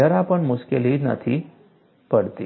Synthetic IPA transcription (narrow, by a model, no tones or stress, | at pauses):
əɾapəɳmuskeliːd͡ʒna̰t̪ʰi | pəɽt̪i